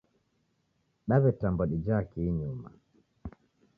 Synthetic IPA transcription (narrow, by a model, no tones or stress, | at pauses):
ɗaβɛtambɔɗid͡ʒakiɲuma̰